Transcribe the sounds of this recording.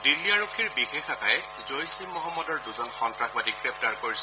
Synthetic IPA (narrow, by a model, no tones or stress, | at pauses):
dilːiaɹokʰːiɹbixexatʰajɛ | zojsimɔɦɔmːɔdɔɹduzɔnxɔntɹaxbadikɹep̚taɹkoɹis